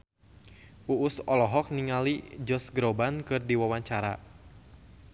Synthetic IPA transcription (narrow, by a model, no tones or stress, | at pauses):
ʔuʔʊsɔlɔɦɔk̚niŋalid͡ʒɔsɡɾobankɨrdiwawaɲt͡ʃaɾa̰